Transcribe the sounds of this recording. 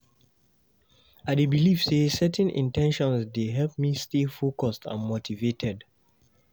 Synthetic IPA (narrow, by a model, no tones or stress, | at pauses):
aɪdebilifsesɛtɛ̃nʔḭ̃ntɛ̃nʃɔ̃nsdeɦɛlp̚mistelfokɔstʰã̰nmotʰivetʰɛd